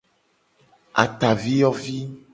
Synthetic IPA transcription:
a̰˨t̪a˨vi˦jɔ˦vi˦

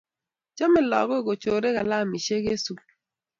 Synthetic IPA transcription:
t͡ʃɔ˦me˨lɔ̰˨ɣo˦˨ɡo˨t͡ʃo˨ɾe˦ɣa˨la˦˨mi˨ʃe˦ɣe˦su˦k̚

